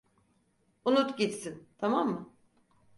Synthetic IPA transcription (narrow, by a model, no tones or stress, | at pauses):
unut̪ɟit̪sint̪ʰamamːɯ